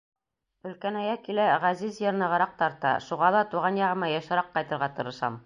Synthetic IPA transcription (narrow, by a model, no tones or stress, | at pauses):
ɵ̆lkænæjækilæʁæzizjɤ̆ɾnɤ̆ʁɤ̆ɾɑq̚t̪ɑɾt̪ɑ̰ʃuʁɑlˠɑt̪uʁɑnjɑʁɤ̆mɑjɑʃɤ̆ɾɑqːɑjt̪ɤ̆ɾʁɑt̪ɤ̆ɾɤ̆ʃɑ̰m